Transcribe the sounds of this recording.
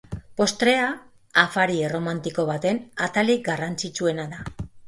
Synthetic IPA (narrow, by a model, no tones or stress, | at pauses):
po̞st̪ɾe̞a | afaɾiero̞mant̪iko̞β̞at̪e̞nat̪aliɡarant͡sit͡ʃue̞naða